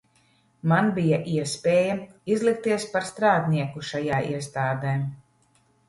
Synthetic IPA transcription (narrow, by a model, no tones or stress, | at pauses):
manbijaʔiɛspʲeːjɐ | izlˠik̚t̪iɛspaɾst̪ɾaːd̪ʲnʲiɛkuʃajaːʔḭɛst̪aːd̪eː